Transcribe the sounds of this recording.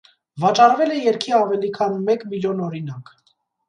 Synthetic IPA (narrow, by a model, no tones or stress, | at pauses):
vɑt͡ʃɑɾvɛlɛjɛɾkʰiɑvɛlikʰɑnmɛkmiljɔnɔɾinɑk